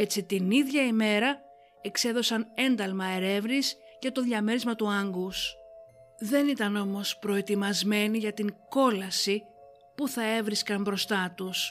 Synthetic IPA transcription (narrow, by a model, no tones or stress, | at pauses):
e̞t͡sit̪iniðʝɐime̞ɾɐ | e̞kse̞ðo̞sɐne̞nd̪ɐlmɐe̞ɾe̞vnis | cɐt̪o̞ðʝɐme̞ɾizmɐt̪uɐŋɡus | ðe̞nit̪ɐno̞mo̞spɾo̞e̞t̪imɐzme̞niʝɐt̪iŋko̞lɐsi | puθɐe̞vɾiskɐmbɾo̞st̪ɐt̪us